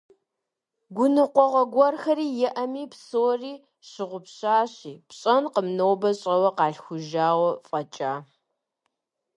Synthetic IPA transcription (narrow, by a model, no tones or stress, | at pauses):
ɡʷʊnɨqʷɔʁɐɡʷɔrxɐɾiːjɛʔɐmiːpsoːriː | ɕɪʁʷʊpɕaːɕiːpɕʼɐnqəmnowbɐɕʼɐwɐqɑːɬxʷʊʒaːwɐfʼɐt͡ʃʼaː